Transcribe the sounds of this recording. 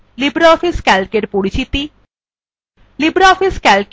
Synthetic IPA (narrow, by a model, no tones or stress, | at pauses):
libɾaɔfiskɛlkeɾpoɾit͡ɕit̪i | libɾaɔfiskɛlk